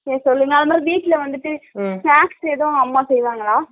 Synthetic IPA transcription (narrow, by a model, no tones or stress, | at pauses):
eːsɔlːɯŋɡɐðɐmaːdiʋiːʈːileʋɐnd̪ɯʈːɨfaːkseːðɐ̃ɐmːaːsɛjːʋaːŋɡɐɭaː